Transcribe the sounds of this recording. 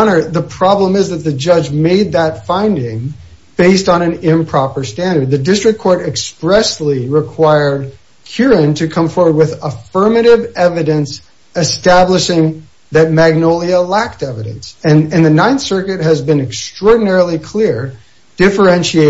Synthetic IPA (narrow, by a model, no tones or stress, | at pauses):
nə˞ðəpʰɹ̥ɑblə̃mɨzðɨt̪̚ðɨd͡ʒʌd͡ʒmeɪd̪̚ðətfãɪ̃ndɪ̃ŋ | b̥eɪstn̩ɨ̃nɪ̃mpʰɹ̥ɑpə˞stæ̃ndə˞d̪̚ðɨdɪstɹ̥ɨkʰːɔɹɾɨkspɹɛsliɹɨkʰw̥aɪə˞d̚ | kʰj̥ʊɹɨ̃ntʰɨkʰʌ̃ɱfɔɹwə˞d̚wɪðəfɜ˞mɨɾɪvɛvɨɾɨ̃ns | ɨstæbləʃɪ̃ŋ | ðɨt̚mæɡ̚noʊlˠiəlæk̚tɛvɨɾɨ̰̃nsɨ̃nɨ̃nðɨnãɪ̃nθsɜ˞kɨt̚ɦɨzbɨ̃nɨkstɹ̥ɔɹdⁿn̩ɛɹl̩ˠikʰl̥ɪɹ | d̥ɪfə˞ɛ̃nʃieɪ